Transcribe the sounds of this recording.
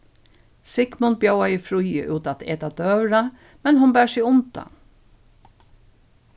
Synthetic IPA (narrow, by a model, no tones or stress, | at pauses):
sɪkmʊnbjowajɪfɾujə̰ʔʉːt̪at̪eːt̪ad̪œːɾa | mɛnhʊnbæːɹsɪʊnt̪a̰